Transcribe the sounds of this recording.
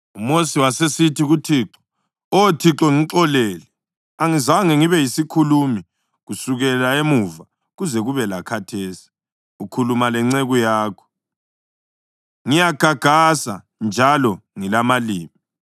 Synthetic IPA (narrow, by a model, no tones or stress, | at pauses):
umosiwasesitʰiɣutʰiːǁɔ̥ | otʰiǁɔŋiǁɔleːlɛ | aŋizawŋeŋiβɛjisikʰulumi | ɣusuɣɛlaemuva | ɣuzɛɣuβɛlakʰatʰeːsi̥ | ukʰulumalɛŋ͡ǀeɣujaːkʰɔ̥ | ŋijaɡ̥ʱaɡ̥ʱasa̰ | nd͡ʒʱalɔŋilamaliːmi